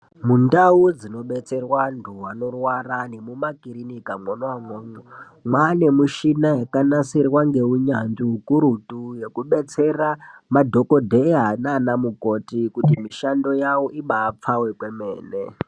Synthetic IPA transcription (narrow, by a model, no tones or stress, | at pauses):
mundaud͡zino̞ɓet͡se̞rwandʱuwano̞rwarane̞mumakiɾinikamonwaŋoɲo | mwane̞muʃinajakanasirwaŋɡe̞uɲanʐiɦukuɾutuje̞kuɓe̞t͡seramadʱokodʱeɦananamukotikutimiʃando̞jawoʔiɓaːp͡fawekwemḛːne